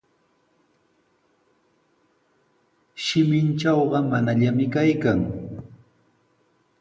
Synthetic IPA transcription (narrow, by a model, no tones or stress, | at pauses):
ʃɪmɪnt͡ʃɑwɢɑmanaʎamɪkajkaŋ